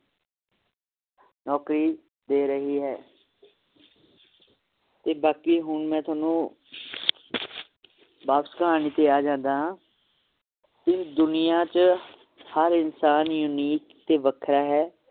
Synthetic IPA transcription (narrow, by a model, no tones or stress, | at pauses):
nɔːkɾiː | d̪eːɾəɦiːɦɛː | t̪eːbaːkiːɦʊɳmɛ̃ːt̪ʰʊaːnũː | baːpsə̥kəɦaːniːt̪eːaːd͡ʒãːnd̪aːɦãː | ɪsd̪ʊnɪjãːt͡ʃ | həɾɪnsaːnjʊniːkt̪eːʋəkʰɾaːɦɛː